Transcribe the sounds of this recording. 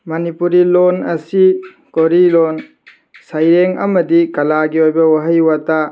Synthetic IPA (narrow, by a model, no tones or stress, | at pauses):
mɐnipuɾilonɐsi | koɾilon | sajɾeŋɐmɐdikɐlaɡiojbɐwaɦɐjwata